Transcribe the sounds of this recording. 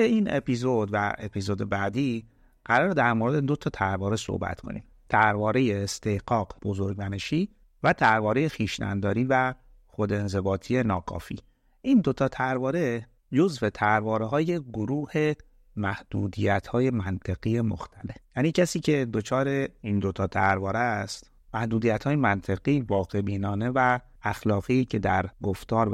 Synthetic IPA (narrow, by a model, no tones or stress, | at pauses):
einḛpʰizo̞d̪væepʰizo̞ːd̪e̞bæːd̪iː | ɢ̥æɾɒːɾed̪æɾmoːɾed̪ed̪o̞t̪ʰɒt̪ʰæɾvɒːɾe̞so̰hbæ̰t̪kʰo̞̰nḭm | t̪ʰæɾvɒːɾe̞jeːst̪ehɡɒːɡb̥o̞zoɾɟmæneʃiː | væt̪ʰæɾvɒːɾe̞je̞xiːʃnæ̰nd̪ɒːɾiːvæ | xo̞d̪enze̞bɒːt̪ʰijenɒːkʰɒ̰ːfiː | ʔind̪ot̪ʰɒːt̪ʰæɾvɒːɾe̞ | d͡ʒo̞zve̞t̪ʰæɾvɒːɾeɦɒːje̞ɡoɾuːhe̞ | mæhd̪̥uːd̪iːjæt̪ʰhɒːje̞mænt̪ʰeɣijemo̰xt̪ʰæle̞fjæːniːcʰesiːcʰe̞d̪o̞t͡ʃʰɒːɾe̞ind̪o̞t̪ʰɒːt̪ʰæɾvɒːɾest̪ | mæhd̪uːd̪ijæt̪hɒːje̞mænt̪ʰeɣiːvɒːɣe̞biːnɒːne̞væ | æxlɒːɣicʰe̞d̪æɾɡoft̪ɒːɾ